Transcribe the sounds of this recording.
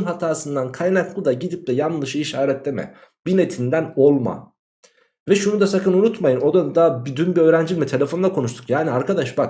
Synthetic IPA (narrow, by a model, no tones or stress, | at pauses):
nɦat̪ʰaːsɯnd̪ankʰajnaklˠɯd̪aɟid̪ip̚d̪ɛjanlˠɯʃɯiʃaːɾɛt̪lʲemɛ̰ | b̥inet̪ʰind̪æno̞lˠma̰ | vɛʃunud̪asakʰɯnunut̪majɯno̞d̪ad̪abyd̪ynbiøːɾænd͡ʒimit̪ʰe̞lʲe̞fo̞nd̪akʰo̞nuʃt̪ʰu̥kjaːniaɾkʰad̪aʃbak